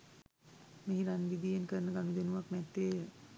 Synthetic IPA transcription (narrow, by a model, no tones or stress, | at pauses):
meɦiɾanʋid̪ijenkəɾənəɡanud̪enuʋaknɛt̪ːeː